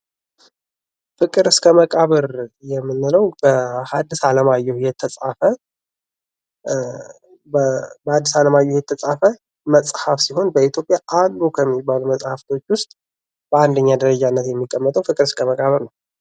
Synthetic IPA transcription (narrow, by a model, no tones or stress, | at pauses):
fɨkʼɨɾɨskʰəməkʼaβəɾjɛmːɨnːɨləwbəhad̪ːisaləmajːɛhjɛt̪ʰːəsʼafə | əbəad̪ːisaləmajːɛwjɛt̪ʰːəsʼafə | məsʼhafsiɦo̞nbəit̪ʰjo̞pʼjaʔalːukʰəmːibaluməsʼhaft̪ʰo̞t͡ʃːwʊst̪ʼ | b̥əand̪əɲːad̪əɾəd͡ʒanːət̪jɛmːikʼːəmːət̪ʼəwfɨkʼɨɾɨskʰəməkʼaβəɾnəw